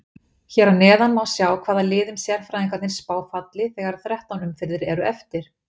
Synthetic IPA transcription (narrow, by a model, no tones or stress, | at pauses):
çɛɾanɛːðanmawsjaːwkʰv̥aːðalɪːðʏmsjɛɾ̥fɾajðiŋkat̪ɪnspaːwfat̪lɪθɛːɣaɾ̥θɾɛht̪awnʏmfɪɾðɪɾɛɾʏɛft̪ɪɾ̥